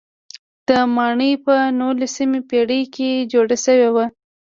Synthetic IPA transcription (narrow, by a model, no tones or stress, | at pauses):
d̪̥əmɑɳəjpənolesimepeɽəjked͡ʒoɽaʃəwewa